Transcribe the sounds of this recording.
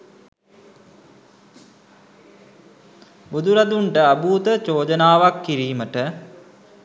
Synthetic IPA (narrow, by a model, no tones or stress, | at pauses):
bud̪uɾad̪uɳʈəabuːt̪ət͡ʃoːd͡ʒənaːʋakːiɾiːməʈə